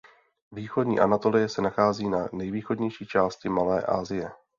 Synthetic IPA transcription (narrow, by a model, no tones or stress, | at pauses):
viːxodɲḭːʔa̰nat̪o̞lɪjɛsɛnaxaːziːnanɛjviːxo̞dɲɛjʃiːt͡ʃaːscɪmalɛ̰ːʔa̰ːzɪjɛ